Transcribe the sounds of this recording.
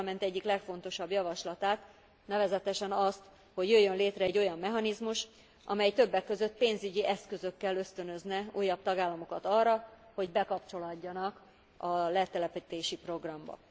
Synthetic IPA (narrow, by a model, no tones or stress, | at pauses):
mɛnt̪ɛɟːiklɛkfo̞n̪t̪o̞ʃɒbjɒvɒʃlɒt̪aːt̪ | nɛvɛzɛt̪ɛʃɛnɒst̪ | ho̞ɟjøjːønleːt̪rɛɛɟːo̞jɒmːɛɦɒnizmuʃ | ʔɒ̰mɛjt̪ø̞bːɛkːø̞zøt̪̚peːnzyɟiʔɛskø̞zø̞kːɛlø̞st̪ø̞nø̞znɛuːjːɒb̚t̪ɒɡaːlːɒmo̞kɒt̪ɒrːɒ | ho̞ɟbɛkɒpt͡ʃo̞lɒɟːɒnɒk | ɒlɛt̪ɛlɛpit̪eːʃipro̞ɡrɒmbɒ̰